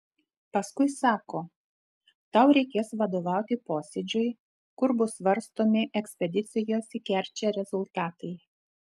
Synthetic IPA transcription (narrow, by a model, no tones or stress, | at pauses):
pɐskʊɪsɑːkoː | t̪ɐˑʊɾʲɛɪkʲeːsʋɐd̪oːʋɑˑʊt̪ʲɪpoːsʲɛd͡ʒʲʊɪ | kʊɾbʊsʋɐɾst̪oːmʲɪʔɛksʲpʲɛd̪ʲɪt̪sʲɪjoːsʲikʲɛˑɾʲt͡ʃʲɛɾʲɛzʊlˠt̪ɑːt̪ɐɪ